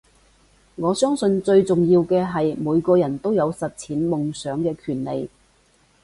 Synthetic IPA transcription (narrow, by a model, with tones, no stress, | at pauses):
ŋɔː˨˧sœː˥ŋsɵ˧nt͡sɵ˧ɥt͡sʊ˨ŋjiː˧wkɛː˧ɦɐ˨jmuː˨˧jkɔː˧jɐ˨˩nt̪o˥wjɐ˨˧wsɐ˨t̚t͡sʰiː˨˥nmʊ˨ŋsœː˨˥ŋkɛː˧kʰyː˨˩nle˨j